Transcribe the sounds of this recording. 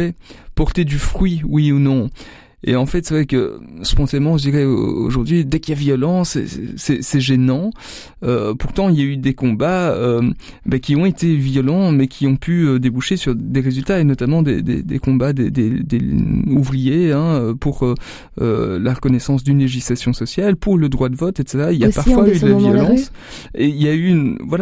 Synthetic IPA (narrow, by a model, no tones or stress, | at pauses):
ɛpɔʁt̪ed̪yfχɥiwiunɔ̃ | ḛɑ̃fɛt̪sɛvʁɛkə̰sə̥pɔ̃t̪anmɑ̃ʒəd̪iʁɛo̰ʒuʁd̪ɥid̪ɛkijavjɔlɑ̃sɛ̰sɛsɛʒenɑ̃ | øpuʁt̪ɑ̃iljayd̪ekɔ̃baø | bɛkʲiɔ̃et̪evjɔlɑ̃mɛkʲʰiɔ̃pʰyød̪ebuʃesyʁd̪eʁezylt̪aenɔt̪amɑ̃d̪ḛd̪ḛd̪ḛkɔ̃bad̪ḛd̪ed̪euvʁijeɛ̃øpuʁø | ø̰laʁəkɔnɛsɑ̃sd̪ynleʒislasjɔ̃sɔsjalpuʁləd̪ʁwad̪əvɔt̪et̪sɛt̪ʁailjapaʁffwayd̪əlavjɔlɑ̃s | eiljaynvwala